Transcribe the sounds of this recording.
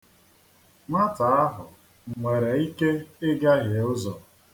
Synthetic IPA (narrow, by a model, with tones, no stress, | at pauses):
ma˦ta˨a˦ɦʊ˨ | ŋe˨ɾe˨i˦ke˦ɪ˦ɡa˦ɣje˨ʊ˦zɔ˨